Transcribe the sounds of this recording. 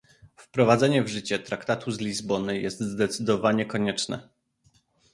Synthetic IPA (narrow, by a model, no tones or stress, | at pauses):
fpɾɔvad̪zɛɲɛvʐɘt͡ɕɛt̪ɾakt̪at̪uzlʲizbɔnɘjɛst̪zd̪ɛt̪sɘd̪ɔvaɲɛkɔɲɛt͡ʂnɛ̰